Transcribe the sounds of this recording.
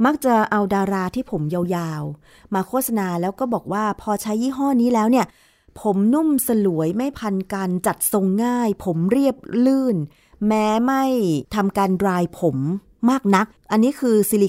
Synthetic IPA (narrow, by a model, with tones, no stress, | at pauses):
ma˦˥k̚t͡ɕa˨˩ʔa˧wdaː˧ɾaː˧t̪ʰiː˥˩pʰo˩˦mja˧wjaː˧w | maː˧kʰoː˥˩t̪̚sa˧naː˧lɛː˦˥wkɔː˥˩bɔː˨˩k̚waː˥˩pʰɔː˧t͡ɕʰa˦˥jːiː˥˩ɦɔː˥˩niː˦˥lɛː˦˥wni˥˩ə | pʰo˩˦mnu˥˩msa˧lu˨˩˦əjma˥˩jpʰa˧nkaː˧nt͡ɕa˨˩t̪̚so˧ŋːaː˥˩jpʰo˩˦mɾi˥˩əp̚lɯː˥˩n | mɛː˦˥ma˥˩jt̪ʰa˧mkaː˧nɾaː˧jpʰo˩˦mː | aː˥˩k̚na˦˥k̚ʔa˧nːiː˦˥kʰɯː˧siː˧li˨˩